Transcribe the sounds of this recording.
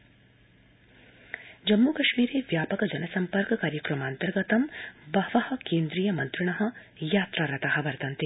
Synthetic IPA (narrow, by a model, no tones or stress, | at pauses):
d͡ʒɐmːukɐʃmiːɾeːʋjaːpɐkɐd͡ʒɐnɐsɐmpɐɾkɐkaːɾjɐkɾɐmaːnt̪ɐɾɡɐt̪ɐmbɐʋɐhɐ̆keːnd̪ɾiːjɐmɐnt̪ɾuɳ̃ɐɦɐ̆ | jaːt̪ɾaɾɐt̪aɦɐ̆ʋɐɾt̪ɐnt̪i